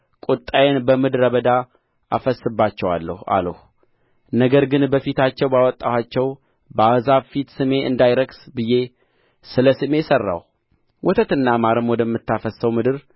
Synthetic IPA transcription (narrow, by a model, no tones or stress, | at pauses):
kʼut̪ʼːajenbəmɨd̪ɨɾəβəd̪a | afəsːɨbːat͡ʃːɛwalːə̰ha̰ləh | nəɡəɾɡɨnbəfit̪ʰat͡ʃːɛwbawɔt̪ʼːahat͡ʃːɛw | bəahzaβfit̪sɨme̞ɨ̰nd̪ajɾəɡsbɨje̞ | sɨləsɨme̞sərːa̰w | wʔɔt̪ʰət̪ɨnːamaɾɨmwɔd̪əmːɨt̪ːafəsːəwmɨd̪ɨɾ